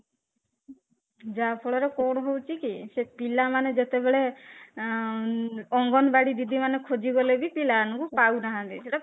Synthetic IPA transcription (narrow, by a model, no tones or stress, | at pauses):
d͡ʒapʰɔɭɔɾekɔɽ̃ɔɦowt͡ʃʰikisepilamaned͡ʒet̪ebeɭe | ɔŋɡɔnbaɽid̪id̪ʱimanekʰod͡ʒiɡɔlebipilanɔkupawnaɦãd̪iseʈa